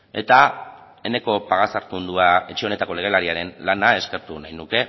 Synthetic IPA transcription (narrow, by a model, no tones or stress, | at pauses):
e̞t̪a | e̞ne̞ko̞paɣ̞asaɾt̪und̪uae̞t͡ʃeo̞ne̞t̪ako̞le̞ɣ̞e̞laɾiaɾe̞nlanae̞ske̞ɾt̪unajnuke̞